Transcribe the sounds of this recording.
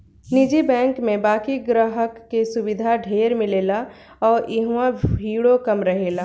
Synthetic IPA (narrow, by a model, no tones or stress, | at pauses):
nid͡ʒibɛ̃ːŋkmẽbaːkiɡɾəɦəkːesʊbɪd̪ʱaɖʱeːɾmɪleːla | ɔːɾɪɦuãbʱiːɽokɐmɾəɦeːlaː